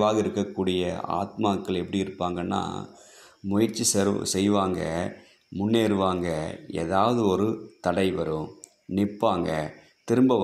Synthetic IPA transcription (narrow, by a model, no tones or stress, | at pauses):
ʋaːɣɐɪɾɯkːɐkːuːɽɪjɐa̰ːt̪maːkːɐɭɛpːɐɽiɪɾɯpːaːŋɡɐnːa̰ː | mʊjɐɾt͡ʃːisɾsɛjʋaːŋɡɐ | mʊnːeːɾɯʋaːŋɡɐɛ̰ðaːʋɐðɯɔɾɯt̪ɐɽɐɪʋɐɾɯ̃ | nɪpːaːŋɡɐ | t̪ɪɾɯmbɐʋ